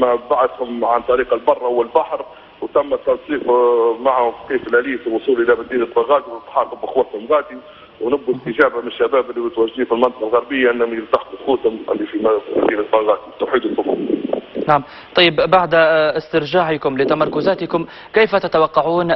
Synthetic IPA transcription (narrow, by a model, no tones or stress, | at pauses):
mabaʕat̪hʊmʕant̪ˤɑɾiːqɑlbɑrˤːɑhʊwːalbaħɾ | wt̪æmːæt̪ːɑnsˤiːqmaʕhʊmkiːflʔæliːfilwʊsˤuːlʔɪlæmɪd̪ːiːnɪlbɑɣɑːt̪iwət̪ːħɑqʊbɪxwæt̪hʊmɣɑːd̪i | wnʊbːʊt̪əʒæːbamɪnɪʃːabæːbɪlːiwɪt̪wæʒːd̪iːfilmɑnt̪ɑ̥qɑlɣɑɾbɪjːaʔɪnːhʊmjɪlt̪aħquxuːshʊmʔɪ̰lːifim̰d̪iːlɪlbɑɣɑːt̪iwt̪ːuħiːd̪usʊfʊ̰naʕm | t̪ˤɑjːɪbbaʕd̪ɪst̪ɪɾʒaːʕɪkʊmlɪt̪amɑɾˤkʊzæːt̪ɪkʊm | kajːfat̪ɪt̪awɑqːɑʕuːn